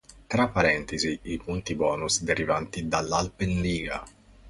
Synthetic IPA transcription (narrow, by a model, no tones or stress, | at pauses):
t̪ɾapːaɾɛnt̪iziipunt̪ibɔːnusd̪eɾivant̪id̪alːalpenliːɡa̰